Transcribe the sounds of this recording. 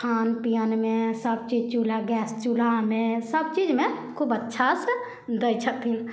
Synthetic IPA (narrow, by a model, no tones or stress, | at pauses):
kʰaːnpijənmẽsəb̚t͡ʃiːd͡ʒt͡ʃulaɡɛːst͡ʃulamẽsəb̚t͡ʃid͡ʒmẽ | kʰubətːʃʰasə | d̪əit͡ʃʰət̪in